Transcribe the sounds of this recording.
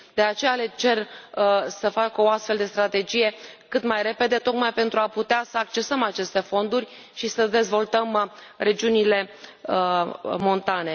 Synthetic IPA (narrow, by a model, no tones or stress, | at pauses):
d̪e̞at͡ʃe̞jale̞t͡ʃe̞r | səfakəoast̪fe̞ld̪e̞st̪ɾat̪e̞d͡ʒije̞kɨt̪majre̞pe̞d̪e̞t̪o̞kmajpe̞nt̪ɾuaput̪easəakt͡ʃe̞səmat͡ʃe̞st̪e̞fo̞nd̪urʲ | ʃisəd̪e̞zvo̞lt̪əmre̞d͡ʒiunile̞ | mo̞nt̪ane̞